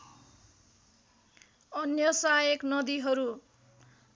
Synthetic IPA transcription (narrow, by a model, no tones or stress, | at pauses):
ʌnjʌsajeknʌd̪iɦʌɾu